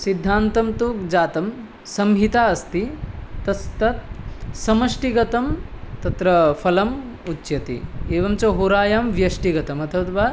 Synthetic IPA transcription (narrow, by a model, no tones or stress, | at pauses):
sid̪ʱːaːnt̪ɐmt̪ukd͡ʒaːt̪ɐm | sɐmɦit̪aːɐst̪it̪ɐst̪ɐt̪sɐmɐʂʈiɡɐt̪ɐmt̪ɐt̪ɾɐpʰɐlɐm | utːʃjɐt̪ḭeːʋɐmt͡ʃɐɦuɾaːjaːmʋjɐʂʈiɡɐt̪ɐmɐt̪ʰɐʋɐt̪ʋaː